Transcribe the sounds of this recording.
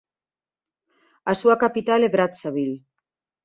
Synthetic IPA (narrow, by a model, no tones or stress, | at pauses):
asuakapit̪aleβɾat̪saβil